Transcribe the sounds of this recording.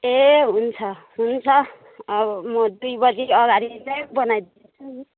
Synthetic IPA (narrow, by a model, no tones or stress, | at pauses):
eɦunt͡sʰʌɦunt͡sʰʌː | bʌmʌd̪ujbʌd͡ziʌɡaɾit͡sajbʌnajd̪it͡sʰu